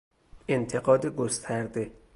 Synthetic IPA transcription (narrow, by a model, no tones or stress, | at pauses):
ent̪ʰeɡɒːd̪eɡost̪ʰæɾd̪e